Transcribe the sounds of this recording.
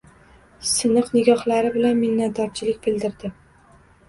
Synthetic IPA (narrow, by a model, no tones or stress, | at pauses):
sɪnɨqnɪɡʲɒhlaɾɪbɪlanmɪnːat̪̚d̪ɒɾt͡ʃʰɪlɪk̚ʲbɪld̪ɪɾd̪ɪ